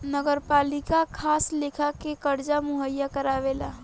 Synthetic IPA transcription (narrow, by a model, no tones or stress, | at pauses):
nəɡəɾpaːlɪkakʰaːsleːkʰakekəɾd͡ʒamʊɦəjːakəɾaːʋelaː